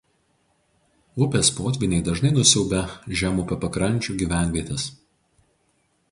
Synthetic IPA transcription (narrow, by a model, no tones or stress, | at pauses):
ʊpʲeːspoːt̪ʲʋʲɪnʲɛɪd̪ɐʒnɐɪnʊsʲɛʊbʲɛʒʲæmupʲɐpɐkɾɐnʲˑt͡ʃʲuːɡʲiːʋʲæˑnʲʋʲiɛt̪ʲɛs